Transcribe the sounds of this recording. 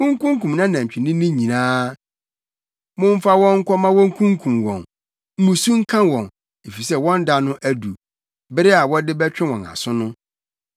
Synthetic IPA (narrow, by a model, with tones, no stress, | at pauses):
ʊ̃˦ŋ̩˦kũ˦ŋkũ˨mnã˦nã˨t͡ɕᶣi˨nɪ̃˦nɪ̃˦ɲĩ˨nãː˦ | mʊ̃˦m̩˦fa˦wɔ̃˦ŋ̩˦kʷʰɔ˦mã˦wɔ̃˦ŋ̩˦kʰũ˦ŋkʰũ˨mwɔ̰̃˨n | m̩˦mũ˨su˦ŋ̩˦kʰã˦wɔ̃˨n | e˨fi˨sɛ˦˨wɔ̃˦nda˦nʊ̃˦ʔæ˦du˨ | bɪ˦ɾɪ˦a˨wɔ˦dɪ˦bɛ˦t͡ɕᶣɪ̃˦wɔ̃˨na̰˨sʊ̃˦nʊ̃˦